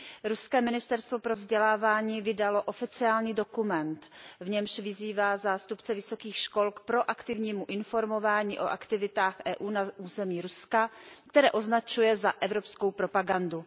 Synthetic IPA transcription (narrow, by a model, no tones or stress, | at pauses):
ɾuskɛːmɪnɪst̪ɛɾst̪vo̞pɾovzɟɛlaːvaːɲiːvɪdalo̞ʔo̞fɪt͡sɪaːlɲiːdo̞kumɛnt̪vɲɛmʃvɪziːvaːzaːst̪upt͡sɛvɪso̞kiːxʃko̞lkpɾo̞ʔakt̪ɪvɲiːmuʔɪnfo̞ɾmo̞vaːɲiːʔo̞ʔa̰kt̪ɪvɪt̪aːxʔɛːʔuːnauːzɛmiːɾuskakt̪ɛɾɛːʔo̞znat͡ʃujɛzaʔɛvɾo̞pskowpɾo̞paɡandu